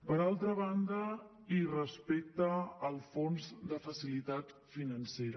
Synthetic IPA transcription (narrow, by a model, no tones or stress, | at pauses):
pəɾalˠt̪ɾəβ̞and̪ə | irəspek̚t̪əːlˠfonzd̪əfəsilit̪at̪finənseɾə